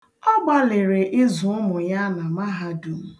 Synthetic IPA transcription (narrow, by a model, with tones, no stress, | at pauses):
ɔ˦ɡ͡ba˦le˨ɾe˨ʔɪ˦zʊ˨ʊ˦mʊ˨ja˦na˨ma˦ɦa˦du˨m̩˦